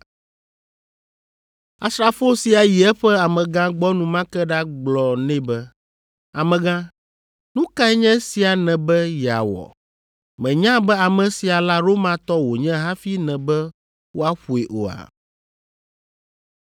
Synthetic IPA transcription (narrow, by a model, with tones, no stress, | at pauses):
a˨sɾa˨fo˦si˨a˨ji˨ɛ˦ɸɛ˦a˨mɛ̃˨ɡã˦ɡ͡bɔ˦nũ˨mã˦kɛ˦ɖa˦ɡ͡blɔ˨nɛ̃˦bɛ˦ | a̰˨mɛ̃˨ɡã˦ | nũ˦ka˦ɛ˦ɲɛ̃˦si˨a˨nɛ̃˨bɛ˦jɛ˨a̰˨wɔ̰˨ | mɛ̃˨ɲã˦bɛ˦a˨mɛ̃˨si˨a˨la˦ɾo˦mã˨t̪ɔ˦wo˨ɲɛ̃˦ɦa˦fi˦nɛ̃˨bɛ˦ | wo˦a˦ɸu˨e˨ʔo̰˨a̰˨